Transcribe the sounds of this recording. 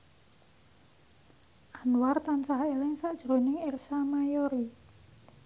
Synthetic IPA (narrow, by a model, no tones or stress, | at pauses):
ʔanwart̪ansaɦelɪŋsaʔd̥ʒ̥ɾonɪŋersamajoɾi